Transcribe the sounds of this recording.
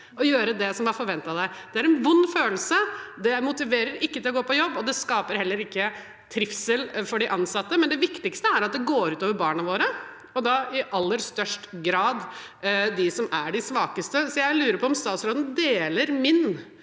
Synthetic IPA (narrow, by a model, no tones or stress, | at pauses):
ɔjøːɾəd̪ɛsɔmʋɑfɔɾʋɛnt̪ɑd̪æɪd̪̥ɛæɾɛnʋʊnːføːl̩səd̪ɛmʊt̪ɪʋeːɾəɾɪkːət̪ɪlɔɡoːpɔjɔbːɔd̪ɛskɑːpəɾhɛlːəɾɪkːə | t̪ʰɾɪfsəlfɔɖɪʔɑnsɑt̪ːəmɛnd̪ɛʋɪkt̪ɪkst̪əæɾɑt̪̚d̪ɛɡoːɾʉːt̪oːʋəɾbɑːɳɑʋoːɾə | ɔd̪ɑɪʔɑlːəɾst̪œʂʈɡɾɑːd̪ | d̪ɪsɔmæɖɪsʋɑːkəst̪əsɔjæɪlʉːɾəɾpʰɔɔmst̪ɑːt̪sɾoːd̪nd̪eːləɾmɪn